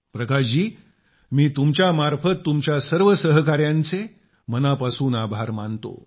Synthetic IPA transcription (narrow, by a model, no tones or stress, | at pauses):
pɾəkad͡ʑiː | miːt̪umt͡ɕjamaɾfət̪ːumt͡ɕjasəɾʋəsəɦkaɾjãnt͡se | mənapasuːnabʱaɾmant̪o̰